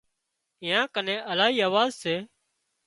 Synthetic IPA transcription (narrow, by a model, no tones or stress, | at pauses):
ɪjãːkənẽːʔəlaːɦiːaːʋaːzseː